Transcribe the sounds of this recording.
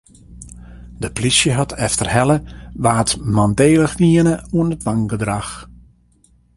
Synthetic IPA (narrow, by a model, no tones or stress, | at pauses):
dəplisjəɦatʰɛftərhɛləʋaːtmandeːləxdiənəuənətʋaŋɡədrax